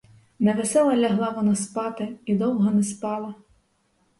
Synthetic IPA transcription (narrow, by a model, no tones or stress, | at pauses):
nɐʋesɛlˠɐlʲɐɦlˠɑʋɔnɑspɑt̪ɪid̪ɔwɦɔnɛspɑlˠɐ